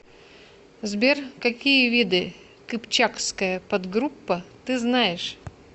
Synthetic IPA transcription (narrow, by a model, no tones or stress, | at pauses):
zbʲerkɐkʲijəvʲid̪ɨ | kɨpt͡ɕakskəjəpɐd̪ɡɾupːət̪ɨznajɪʂ